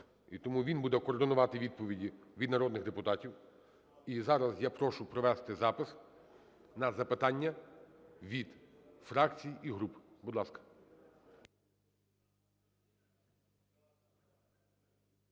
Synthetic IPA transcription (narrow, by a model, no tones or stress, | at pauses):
it̪ɔmuʋʲinbud̪ɛkɔːrd̪ɪnʊʋɑt̪ɪʋʲid̪̚pɔʋʲidʲiʋʲid̪nɐɾɔd̪nɪɣd̪epʊt̪ɑtʲiw | izɑɾɐzjapɾɔʃʊpɾɔʋɛst̪ɪzɑpɪs | nɐzɐpɪt̪ɑnʲːɐ | ʋʲid̪fɾɑkt͡sʲijiɦɾupbʊd̪lˠɑskɐ̥